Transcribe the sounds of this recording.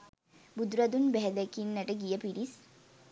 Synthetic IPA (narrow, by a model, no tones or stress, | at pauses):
bud̪ɾad̪unbæɦɛd̪ækinːaʈəɡijəpiɾis